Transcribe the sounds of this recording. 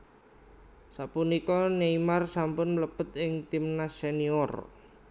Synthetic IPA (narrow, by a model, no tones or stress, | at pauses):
saʔpunikɔneimarsampʊnləpət̪ɪŋt̪imnaseniɔr